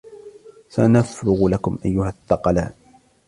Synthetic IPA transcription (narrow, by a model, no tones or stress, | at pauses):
sanafɾʊɣlakʊmʔajːʊhaθːɑqɑlaːʔ